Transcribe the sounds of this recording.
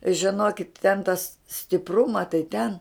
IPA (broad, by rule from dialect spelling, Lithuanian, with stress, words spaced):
ʒʲɪˈnoːkʲɪt tʲɛn tɐs sʲtʲɪˈprʊmɐ tɐɪ tʲɛn